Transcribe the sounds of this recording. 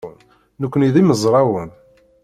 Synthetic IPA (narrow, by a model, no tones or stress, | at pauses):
n | nəkʷːəniðiməzˤɾˤɑwən